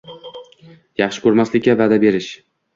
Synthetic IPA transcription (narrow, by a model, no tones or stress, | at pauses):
jɑχʃɪ̥kʰɵɾmaslɪkʲːavad̪abe̞ɾɪʃ